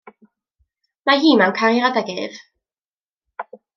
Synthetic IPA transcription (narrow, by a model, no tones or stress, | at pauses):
maɦiːmawnkʰaɾjɾadaɡɪv